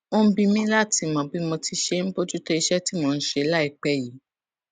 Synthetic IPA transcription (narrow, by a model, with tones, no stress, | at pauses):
õ˧˦bĩ˧mĩ˦la˦˨ti˨˧mɔ̃˨˧˨bi˨˦mɔ̃˧ti˧ʃe˦n̩˦bo˦d͡ʒu˦tɔ˦i˧ʃɛ˦ti˦mɔ̃˧ñ̩˦ʃe˧˦la˦i˧˨k͡pɛ˦ji˨˦